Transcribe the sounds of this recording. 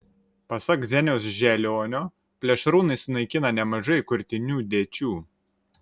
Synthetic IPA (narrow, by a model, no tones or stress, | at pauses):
pɐsɐkzʲɛnʲɛʊsʒʲɛlʲoːnʲoː | pʲlʲɛʃɾuːnɐɪsnɐɪkʲɪnɐnʲɛmɐʒɐɪkʊɾʲt̪ʲɪnʲuːd̪ʲeːt͡ʃʲuː